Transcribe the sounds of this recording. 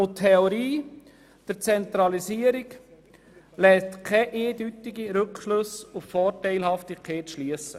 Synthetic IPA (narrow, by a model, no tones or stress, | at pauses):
ot̪ʰːɛoɾiː | d̪̥əɾt͡sɛnt̪ɾɑlisiːəɾik | lɛːstkʰɛʔeːd̪yt̪iɡiɾɵkʃlɵsʊffɔːrtɛɪlhɑftikʰeːtʃliəsə